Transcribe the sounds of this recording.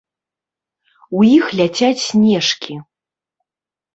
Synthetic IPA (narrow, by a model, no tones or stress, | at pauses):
wjixlʲat͡sʲat͡sʲsʲnʲɛʂkʲi